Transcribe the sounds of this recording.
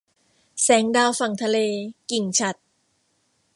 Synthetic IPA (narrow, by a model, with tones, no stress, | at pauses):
sɛː˩˦ŋdaː˧wfa˨˩ŋt̪ʰa˧leː˧ki˨˩ŋt͡ɕʰa˨˩t̪̚